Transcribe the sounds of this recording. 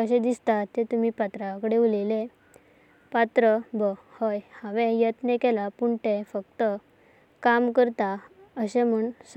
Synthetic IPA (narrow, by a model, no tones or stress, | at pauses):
əɕẽd̪ist̪at̪ːet̪umipat̪ɾakəɽeulele | pat̪ɾəbə | həjhaʋẽjət̪nekɛlapuɳʈefəkt̪ə | kamkəɾt̪aəɕẽm̤uɳs